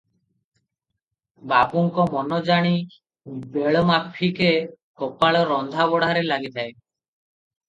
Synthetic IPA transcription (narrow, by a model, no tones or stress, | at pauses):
bapuŋkɔmɔnɔd͡ʒaɽ̃i | beɭɔmapʰːike | kɔpaɭɔɾɔnd̪ʱaβɔɽaɾelaɡit̪ʰae